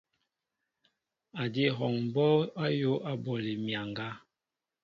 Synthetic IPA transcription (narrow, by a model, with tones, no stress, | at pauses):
a˨di˦˨ɦɔ˨ŋm˨bɔ˦a˦jo˦a˦bɔ˨li˨mja˨ŋɡa˦